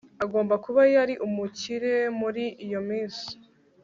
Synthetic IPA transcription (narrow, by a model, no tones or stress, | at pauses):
aɡo̞ːmbakuβajaɾiʔumuciɾe̞muɾiːjo̞miːnsi̥